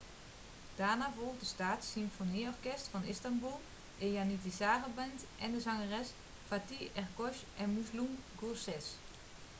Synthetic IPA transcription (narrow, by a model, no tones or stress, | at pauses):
d̥aːnavolˠxdəstaːtsimfoniɔrkɛstfɔnɪstambulˠ | ejanitisaːrəbɛntʔɛndəzɑŋərɛs | fatiɛrkɔʃʔɛnmuslumɡusɪs